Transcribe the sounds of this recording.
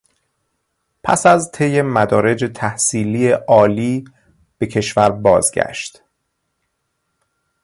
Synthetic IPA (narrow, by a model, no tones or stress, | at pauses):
pʰæ̰sæzt̪ʰe̞je̞mæd̪ɒːɾe̞d͡ʒe̞t̪ʰæhsiːliːeʔɒːliː | b̥e̞cʰe̞ʃvæɾbɒːzɟæ̰ʃt̪